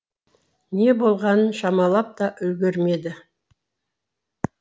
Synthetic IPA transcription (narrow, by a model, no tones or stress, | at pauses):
ne̞bo̞lˠʁɑnənʃɑmɑlˠɑp̚t̪ɑʔɵlɡʲe̞ɾme̞d̪ɪ